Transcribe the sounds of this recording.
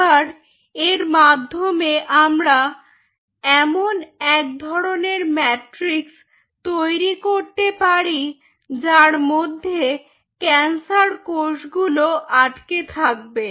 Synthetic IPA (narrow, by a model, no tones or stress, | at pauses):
aɾ | eɾmad̪ʱːomeʔamɾa | ɛmonɛk̚d̪ʱɔɾoneɾmɛʈɾiks | t̪ojɾikoɾt̪epaɾi | d͡ʑaɾmod̪ʱːe | kɛnsaɾkoʃɡuloʔaʈket̪ʰak̚be